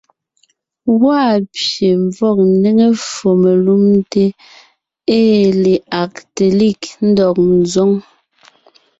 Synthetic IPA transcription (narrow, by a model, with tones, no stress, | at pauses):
wa˦˨pje˨ɱ˨vɔ˦˨k̚ne˦ŋe˦fo˨me˨lu˦mte˦ | eː˦˨le˨a˨k̚te˨li˦˨kn̩˦dɔ˨k̚n̩˨zɔ˦ŋ